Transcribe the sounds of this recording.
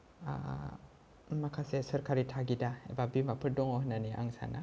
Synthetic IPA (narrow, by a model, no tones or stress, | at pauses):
a̰ | makʰasesəɾkʰaɾitʰaɡidaḛbabimapʰɯɾdɔŋɔɦnaniʔa̰ŋsa̰na̰